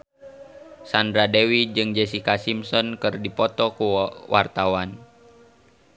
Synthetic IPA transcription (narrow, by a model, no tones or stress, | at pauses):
sandɾadewid͡ʒɨŋd͡ʒɛsikasimsɔnkɨrdipɔt̪ɔkuwʔart̪awan